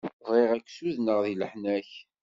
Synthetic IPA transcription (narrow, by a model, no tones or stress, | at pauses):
vʁiʁækːsuðnəʁðilħnæç